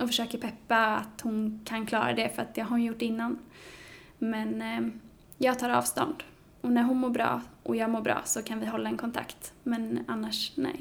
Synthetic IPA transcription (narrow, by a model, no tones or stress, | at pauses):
ɔfəʂøːkəɾpʰɛpːaat̪hʊnkʰankʰlɑ̰ːɾa̰d̪ɛfœɾat̪̚d̪ɛɦaɾhʊnjʊʈːɪnːan | mɛn | jɑːɡ̚t̪ʰɑːɾɑ̰ːvst̪ɔ̰nd̪ | ɔnæɾɦʊnmoːbɾɑ̰ːʔɔjɑːɡmoːɾbɾɑ̰ːsɔkʰanvɪɦɔlːaɛnkʰɔnt̪ʰa̰kt̪mɛnanːaʂnɛ̰j